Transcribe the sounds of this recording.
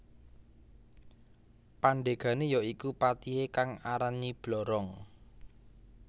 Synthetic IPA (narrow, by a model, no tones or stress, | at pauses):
paɳɖeɡ̥a̤nejɔikupat̪iekaŋaɾanib̥lɔɾɔŋ